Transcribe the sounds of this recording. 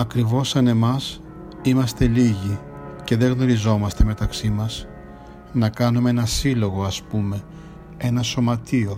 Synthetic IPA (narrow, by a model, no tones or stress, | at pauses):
ɐkɾivo̞sɐne̞mɐs | imɐst̪e̞liʝi | ce̞ðe̞ɣno̞ɾizo̞mɐst̪e̞me̞t̪ɐksimɐs | nɐkɐnumeenɐsilo̞ɣo̞ɐspume̞ | e̞nɐso̞mɐt̪io̞